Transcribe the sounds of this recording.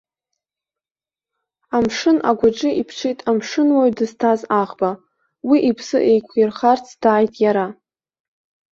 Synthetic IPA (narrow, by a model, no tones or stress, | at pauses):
amʂɨnʔa̰ɡʷaʈ͡ʂʼɨʔipʰʈ͡ʂʰejtʼamʂɨnwaɥdɨztʰazaʁba | wiʔipʰsɨ̰ʔejkʷʰirχart͡sʰd̥aːjtʼjaɾa